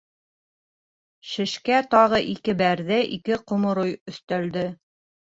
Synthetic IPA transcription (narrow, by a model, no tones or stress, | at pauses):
ʃɘ̆ʃkæt̪ɑʁɤʔikɘbæɾðɘʔikɘqŏmŏɾojɵ̆θt̪æld̪ɘ